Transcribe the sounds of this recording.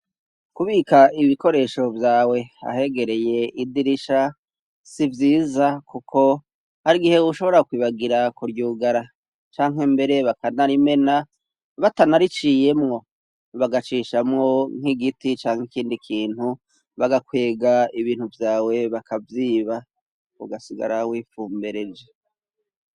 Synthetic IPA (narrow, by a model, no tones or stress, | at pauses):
kuβiːkaiβiko̞ɾe̞ʃo̞vjaːwe̞a̰he̞ɡe̞ɾe̞je̞idiɾiʃa | sivjiːzakukʰo̞ | haɾiɡihe̞uʃo̞βo̞ɾakwiːβaɡiɾakuɾɟuːɡaɾa | t͡ʃaːŋɦe̞mbe̞ɾe̞βakanaɾime̞na | βatanaɾit͡ʃije̞mŋo̞ | βaɡat͡ʃiʃamŋo̞ŋ̥iɡitit͡ʃaːŋ̥hekiːndikʰiːnhu | βaɡakwe̞ːɡaiβiːn̥huvjaːwe̞βakʰavjiːβa | uɡasiɡa̰ɾawiːfuːmbeɾed͡ʒe